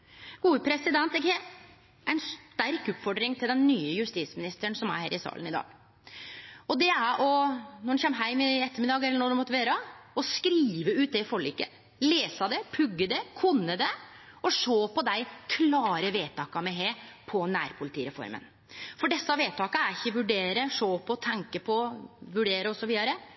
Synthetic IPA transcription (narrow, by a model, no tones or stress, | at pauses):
ɡ̥uːəpʰɾɛsɪd̪ɛnt̪ɛkhe | æɪnst̪æɾkʉpfɔɖɾɪŋt̪ʰɪld̪ɛnːyːəjʉst̪iːsmɪnɪst̪əɳsɔmæ̰ɾhḛːɾɪsɑ̰ːlənɪd̪ɑ̰ːɡ | ɔd̪ɛæɾʔɔnɔɖɛnçɛmɦæɪmɪɛt̪ːəɾmɪd̪ɑːɡɛlːəɳɔɖ̪ʉmɔt̪ːəʋeːɾəɔskɾiːʋəʉːt̪̚d̪ɛfɔɭiːkə̰ | leːsɑd̪ɛpʰʉɡːəd̪ɛkʰʉnːəd̪ɛɔʂoːpɔd̪æɪkʰlɑːɾəʋeːt̪ʰɑːkɑmɛɦeːpʰɔnæːɾpʰʊlɪt̪iːɾɛfɔ̰ɾmə̰n | fɔɖɛsːɑʋeːt̪ʰɑːkəæɾɪçːəʋʉɖeːɾəʂoːpʰɔt̪ʰɛŋkəpʰɔʋʉɖeːɾəɔsɔʋiːd̪ɑɾə